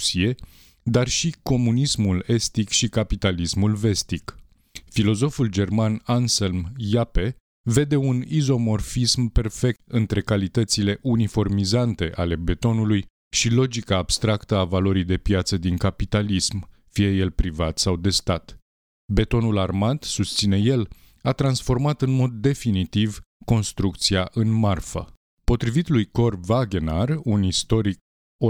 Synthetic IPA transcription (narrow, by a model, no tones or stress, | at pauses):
sie̞ | d̪arʃiko̞munismule̞st̪ikʃikapit̪alismulve̞st̪ik | filo̞zo̞fuld͡ʒe̞rmananselmjape̞ | ve̞d̪e̞unizo̞mo̞rfismpe̞rfe̞k̚t̪ɨnt̪ɾe̞kalit̪ət̪sile̞ʔunifo̞rmizant̪e̞ʔale̞be̞t̪o̞nuluj | ʃilo̞d͡ʒikaːb̥st̪ɾakt̪əavalo̞ɾijd̪e̞pjat̪səd̪iŋkapit̪alism | fije̞je̞lpɾivat̪sawd̪e̞st̪at̪ | be̞t̪o̞nularmat̪sust̪sine̞je̞l | at̪ɾansfo̞rmat̪ɨnmo̞d̪ːe̞finit̪ivko̞nst̪ɾuk̚t̪siaʔɨnmarfə̰ | po̞t̪ɾivit̪lujko̞rvaɡe̞narunist̪o̞ɾik̚ | o